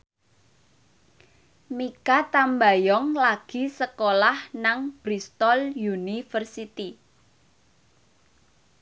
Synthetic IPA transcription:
mikat̪ambajɔŋlaɡ̥i̤səkolahnaŋb̥ɾist̪ɔljunifərsit̪i

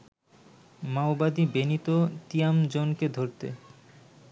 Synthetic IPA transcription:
maobad̪ibenit̪ot̪iamd͡ʑonked̪ʱoɾt̪ḛ

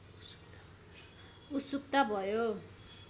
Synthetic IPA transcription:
ut̪sukt̪abʱʌjo

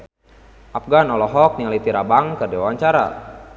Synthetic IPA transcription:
ʔap̚ɡanɔlɔɦɔk̚niŋalit̪iɾabaŋkərdiwaɲt͡ʃaɾa̰

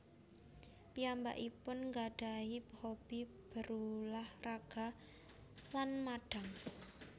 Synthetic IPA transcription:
piamba̰ʔipʊnŋɡaɖ̥aiphob̥i | b̥ə̤ɾulahraɡ̥a̤ | lanmaɖ̥a̤ŋ

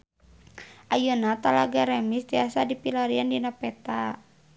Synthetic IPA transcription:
ajunat̪alaɡaɾɛmist̪iasadipilaɾiandinapɛt̪a

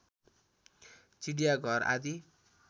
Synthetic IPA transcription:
t͡siɖijaɡʱʌra̰d̪i

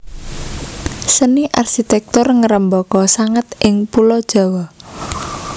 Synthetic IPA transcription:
səniʔarʃit̪ɛk̚t̪ʊrŋəɾəmbɔkɔsaŋət̪ʔɪŋpulɔd̥ʒ̥a̤wɔ

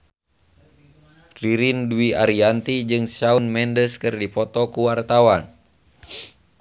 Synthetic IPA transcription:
riɾinduiaɾiant̪id͡ʒɨŋsaunmɛndəskɨrdipɔt̪ɔkuwart̪awan

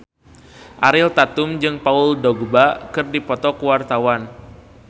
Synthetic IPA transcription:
ʔaɾɪlt̪at̪ʊmd͡ʒɨŋpaʊldɔɡbakɨrdipɔt̪ɔkuwart̪awan

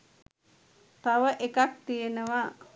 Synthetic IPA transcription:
t̪aʋəʔekak̚t̪ijenəʋa

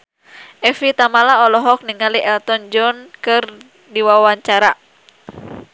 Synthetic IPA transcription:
ʔɛfit̪amalaɔlɔɦɔk̚niŋaliʔɛlt̪ɔnd͡ʒɔnkɨr | diwawaɲt͡ʃaɾa

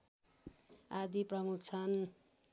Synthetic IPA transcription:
ad̪iprʌmukt͡sʰʌn

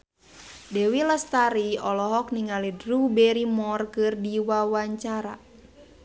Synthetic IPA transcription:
dɛwiləst̪aɾiɔlɔɦɔk̚niŋalidrubɛɾimɔrkɨrdiwawaɲt͡ʃaɾa̰

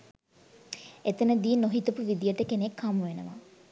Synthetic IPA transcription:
et̪ənəd̪iːnoɦit̪əpuʋid̪ijəʈəkenekʰːamuʋenə̰ʋa̰

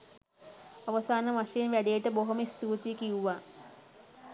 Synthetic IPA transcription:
aʋəsaːnəmaʃejinʋæɖejeʈəboɦoməist̪uːt̪ijekiuʋaː

